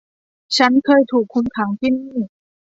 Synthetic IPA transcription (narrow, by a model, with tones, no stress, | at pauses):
t͡ɕʰa˦˥nkʰɤː˧jt̪ʰuː˨˩kʰːo˧mkʰa˩˦ŋt̪ʰiː˥˩niː˥˩